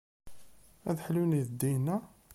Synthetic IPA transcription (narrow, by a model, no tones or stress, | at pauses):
æ̰ðħluniðd̪ːijnːæ